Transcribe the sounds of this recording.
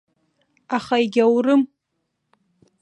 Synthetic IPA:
aχaiɡʲawrɨm

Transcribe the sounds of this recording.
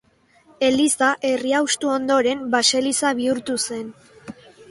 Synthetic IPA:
e̞lisaʔe̞riawst̪uo̞nd̪o̞ɾe̞mbase̞lisaβiuɾt̪use̞n

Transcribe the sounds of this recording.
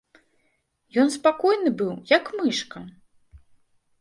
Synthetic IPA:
jɔnspakɔjnɨbɨwjɐkmɨʂkɐ

